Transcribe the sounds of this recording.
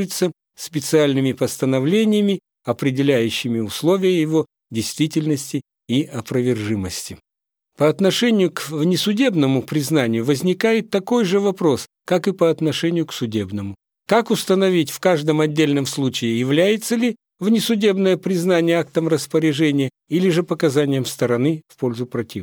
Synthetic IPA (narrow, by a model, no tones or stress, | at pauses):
jɪt̪sə | sʲpʲɪt̪sɨalʲnɨmʲɪpəst̪ənɐvlʲenʲɪjəmʲɪ | ɐpɾʲɪdʲɪlʲæjʉɕːɪmʲɪʊslˠo̞vʲɪjəjɪvo̞ | dʲɪjst̪vʲitʲɪlʲnəsʲtʲɪ | iɐpɾəvʲɪrʐɨməsʲtʲɪ | pəɐt̪nɐʂɛnʲɪjʊkvnʲɪsʊdʲe̞bnəmʊpɾʲɪznanʲɪjʊvəzʲnʲɪkajɪt̪ːɐko̞jʐɨvɐpɾo̞s | kakɨpəɐt̪nɐʂɛnʲɪjʊksʊdʲe̞bnəmʊ | kakʊst̪ənɐvʲitʲfkaʐd̪əmɐdʲːelʲnəmslˠut͡ɕɪɪjɪvlʲæjɪt̪səlʲɪ | vnʲɪsʊdʲe̞bnəjəpɾʲɪznanʲɪjəak̚t̪əmrəspəɾʲɪʐɛnʲɪjə | ilʲɪʐɨpəkɐzanʲɪjəmst̪əɾɐnɨfpolʲzʊpɾɐtʲi